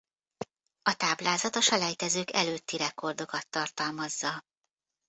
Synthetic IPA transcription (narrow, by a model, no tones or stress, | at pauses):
ɒt̪aːblaːzɒt̪ɒʃɒlɛjt̪ɛzøːkɛ̰løːt̪ːiɾɛko̞rd̪o̞kɒt̪ːɒrt̪ɒlmɒzːɒ